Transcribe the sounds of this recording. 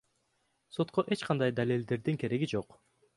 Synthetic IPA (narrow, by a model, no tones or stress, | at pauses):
so̞t̪qoʔe̞t͡ʃqʰɑnd̪ɑjd̪alʲelʲd̪e̞ɾd̪iŋkʰe̞ɾe̞ɡid͡ʒo̞q